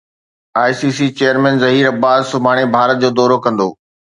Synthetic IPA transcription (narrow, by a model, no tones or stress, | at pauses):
aːjsiːsit͡ɕeːəɾmɛ̃ːnzɐɦiːɾɐbaːzsʊbʱaːɽ̃ebʱaːɾət̪̚d͡ʑoːd̪ɔːɾokɐ̃nd̪oː